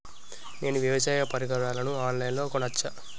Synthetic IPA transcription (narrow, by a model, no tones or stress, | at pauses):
ne̞ːnuʋjɐʋɐsaːjɐpɐɾiɡɐɭaːlɐnuaːnlɐjnlo̞ːkɔɳɐt͡ʃːɐ